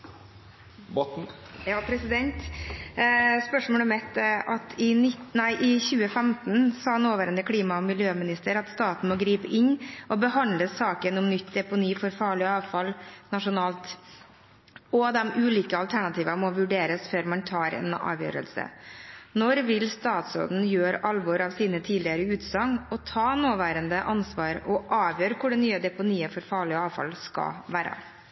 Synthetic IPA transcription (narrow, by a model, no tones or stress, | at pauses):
bɔ | jɑːpʰɾɛsɪd̪ɛnt̪ | spœʂmoːlɔmɛt̪ʔɑt̪ʰɪnɪt̪næɪʔɪçʉːəfɛmt̪n̩sɑːɑnoːʋəɾənd̪əkʰɽiːmɑɔmɪljøːmɪnɪst̪əɾɑt̪st̪ɑːt̪n̩mɔɡɾiːpəʔɪnːʔɔbəɦɑnd̪ləsɑːkənɔmnʏt̪ːd̪ɛpʊniːfɔɾfɑːɭɪɑːʋfɑlnɑʂʊnɑːlt̪ | ɔd̪ɛmʉːliːkəɑlt̪ʰæɳɑt̪ʰiːʋɑmɔʋʉɖeːɾəsføːɾmɑnt̪ʰɑːɾɛ̰nɑ̰ːʋjø̰ːɾə̰lsə̰nɔɾʋɪlst̪ɑːt̪so̰ːd̪n̩jøːɾɑlʋɔɾɑʋsiːnət̪ʰiːdlɪəɾəʉːt̪sɑŋɔt̪ʰɑːnoːʋæːɾənd̪əʔɑnsʋɑːɾɔʔɑːʋjøːɾkʰʊɖɛnnyːəd̪ɛpʊniːəfɔɾfɑːɭɪɑːʋfɑ̰lskɑ̰ʋæːɾə̰